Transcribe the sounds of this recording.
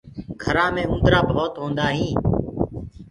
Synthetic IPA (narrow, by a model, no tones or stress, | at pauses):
ɡʱəɾãːmẽːũnd̪ɾaːbɦoːt̪ɦõːnd̪aːɦĩː